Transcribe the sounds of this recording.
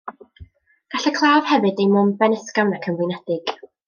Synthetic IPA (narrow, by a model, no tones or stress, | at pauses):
ɡ̥aɬɛkʰlˠaːv̥hɛvɨdejmʊmbɛnəskawnakʰəmvɪnɛdɪɡ̥